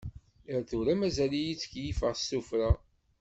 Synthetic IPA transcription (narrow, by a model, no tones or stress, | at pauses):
əɾθuɾæmæzælijit͡sːə̥kjifəʁsːufɾa